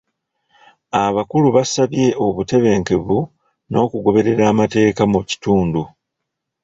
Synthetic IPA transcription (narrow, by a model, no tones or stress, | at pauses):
aβakuluβasaβje̞ʔo̞βute̞βe̞ːŋke̞βu | no̞ːkuɡo̞βe̞ɾe̞ɾaːmate̞ːkamuci̥tuːndu